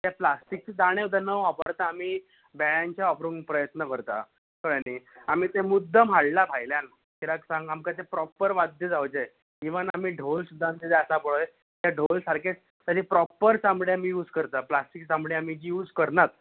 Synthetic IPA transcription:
t̪japlasʈik̚t͡ɕid̪aɽ̃ẽd̪ʱanəʋapəɾt̪aːmiː | bɛɭjaɲt͡ɕjaɔpɾuŋɡpɾəjət̪nəkəɾt̪a̰ | kəɽəniːamiːt̪emud̪ʱːəm̤aɽlabʱajljan | kʰiɾaksãŋɡamkat̪epɾɔpəɾʋad̪ʱjəd͡zawd͡ʑe | kĩʋənamiːɖʱolsud̪ʱːant̪ed̪easapəɭoe | t̪jaɖʱolsaɾkʰet͡s | t̪əɾipɾɔpəɾsamɽeamijuːd͡zkəɾt̪aplasʈiksamɽeamid͡ʑijuːd͡zkəɾnat̪̚

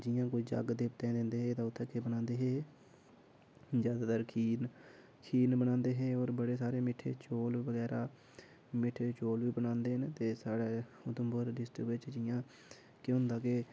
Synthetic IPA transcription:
d͡ʒɪjãːkoid͡ʒə̰ɡd̪eːpt̪ɛ̃ːd̪ɪnd̪eːɦeːt̪ãːʊt̪ʰːeːkebənãːnd̪eːɦeː | zjaːd̪aːt̪əɾkʰiːn | kʰiːnbənãːnd̪eːɦeːoːɾbəɽeːsaːɾeːmɪʈʰḛːt͡ʃoːlʋəɡɛːɾaː | mɪʈʰːeːt͡ʃoːlʋiːbənãːnd̪eːɦənt̪eːsaːɽeːʊt̪ʊmbəɾɖɪsʈɾɪkʋɪt͡ʃd͡ʒɪjãː | keɦʊ̃nd̪aːke

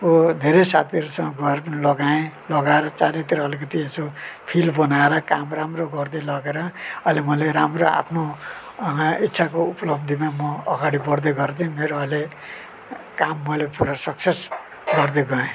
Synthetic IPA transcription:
kod̪ʱeɾesa̰t̪ʰiɾusʌŋɡʌeɾpʌnilʌɡaẽlʌɡaeɾʌt͡saɾet̪iɾʌʌlik̬ʌt̪iesopʰilbʌnaeɾʌkamramroɡʌrd̪elʌɡeɾʌʌlemʌleɾamroa̰pʰno | it̪ːsʰakoupʌlʌbd̪ʱimamʌʌɡaɽibʌɽd̪ʌɡʌrd̪iũmeɾoʌle | kamːʌlepuɾʌsʌkses | ɡʌrd̪eɡʌẽ

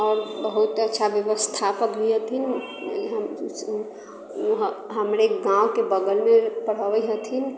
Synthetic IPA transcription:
ɔːɾbəɦut̪ətːʃʰabjəʋəst̪ʰapəkbʱiɦət̪ʰin | ɦəm | ɦɦəmɾeɡãwkebəɡəlmepəɽ̤əʋəɦət̪ʰin

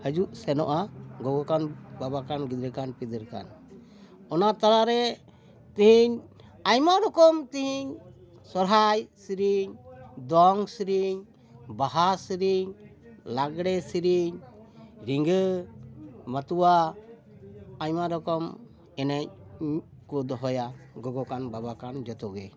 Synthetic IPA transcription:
həd͡ʒuʔsɛnɔʔaɡɔɡɔkanbabakanɡid̪ɾɛkanpid̪ɾka̰n | ɔnat̪aɾaɾɛ | t̪iɦiɲ | aɲmaɾɔkɔmt̪iɦiɲ | sɔɾɦajsiɾiɲd̪ɔŋsɾiɲ | baɦasɾiɲlaɡɽɛsiɾiɲ | ɾiŋɡ | mət̪uwa | ajmaɾɔkɔm | ɛnɛɲ | kud̪ɦɔjaɡɔɡɔkanbabakand͡ʒɔt̪ɔɡɛ

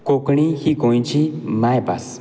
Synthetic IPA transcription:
kokɳihikõj̃t͡ɕimãjpa̰s

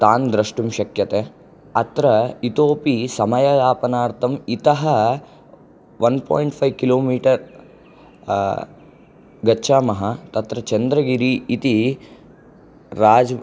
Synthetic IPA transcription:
t̪aːnd̪ɾɐʂʈumʃɐkjɐt̪eː | ɐt̪ɾɐit̪oːpisɐmɐjɐɡaːpɐnaːɾt̪ʰɐmit̪ɐɦɐ | ʋɐnpʰo̰ːjɳʈpʰɐjʋkiloːmiːʈɐɾ | ɡɐtːʃaːmɐɦɐt̪ɐt̪ɾɐt͡ʃɐnd̪ɾɐɡiɾiːt̪i | ɾaːd͡ʒ

